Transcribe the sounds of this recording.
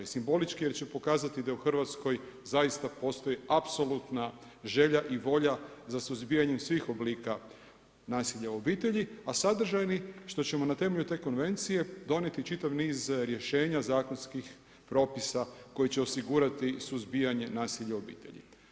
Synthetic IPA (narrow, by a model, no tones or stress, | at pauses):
isimbo̞lit͡ʃkije̞ɾt͡ɕe̞po̞kaːzat̪id̪auxr̩ʋat̪sko̞jzajist̪apo̞st̪o̞jiapso̞lˠut̪na | ʒe̞ʎaʔiʋo̞ʎazasuzbijaɲe̞msʋiːxo̞bliːka | naːsiʎauo̞biːt̪e̞ʎiasad̪r̩ʒajniʃt̪o̞t͡ɕe̞mo̞nat̪e̞me̞ʎut̪e̞ːko̞nʋe̞nt̪sije̞d̪o̞nje̞t̪it͡ʃit̪aʋniːzɾje̞ʃe̞ːɲazaːko̞nskix | pɾo̞ːpisako̞jit͡ɕe̞o̞siɡuːɾat̪isuzbijaɲe̞naːsiʎao̞bḭːt̪e̞̰ʎḭ